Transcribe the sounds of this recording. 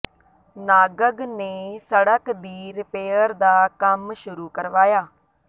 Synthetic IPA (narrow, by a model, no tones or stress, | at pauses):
naːɡəɡneːsəɽəkd̪iːɾɪpeːəɾd̪aːkəmʃʊɾuːkəɾʋaːjaː